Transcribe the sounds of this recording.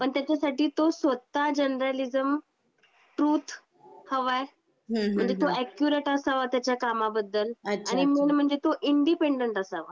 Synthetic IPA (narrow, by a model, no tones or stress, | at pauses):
pəɳt̪jat͡ɕasaʈiːt̪osʋət̪ad͡ʑənɾəlizəm | ʈɾuːt̪ʰ | həʋae | ɦm̤əɳd͡zet̪oɛkjuɾeʈəsaʋat̪jat͡ɕjakamabəd̪ʱːəlaañimenm̤əɳd͡zet̪oʔiɳɖipeɳɖəɳʈəsaʋa̰